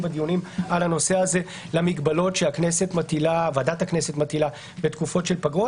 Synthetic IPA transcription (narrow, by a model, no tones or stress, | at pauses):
bad̪ijunimalhano̞seaze̞ | lamiɡbalo̞tʃeakne̞se̞t̪mat̪ilavad̪at̪aknese̞t̪mat̪ila | bet̪kufo̞tʃe̞lpaɡo